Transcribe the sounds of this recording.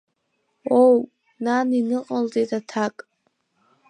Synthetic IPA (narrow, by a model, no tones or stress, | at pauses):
ow | naninɨqʼalzʼejtʼatʰakʼ